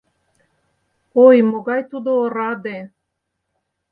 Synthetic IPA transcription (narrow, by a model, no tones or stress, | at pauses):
ojmoɣɑjt̪ud̪oːɾɑd̪e